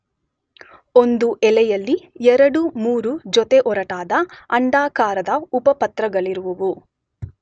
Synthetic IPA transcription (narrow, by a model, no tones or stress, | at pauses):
ond̪uʔɛlɛjɐlːiɛɾɐɽumuːɾud͡ʒot̪eʔɔɾɐʈaːd̪ɐɐɳɖaːkaːɾɐd̪ɐupɐpɐt̪ɾɐɡɐɭiɾuʋɐʋu